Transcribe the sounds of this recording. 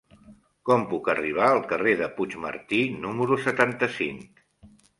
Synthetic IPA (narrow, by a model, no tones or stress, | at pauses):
kɔmpukəriβ̞aəlˠkəreðəput͡ʃmə̰ɾt̪inuməɾusət̪ant̪əsiŋk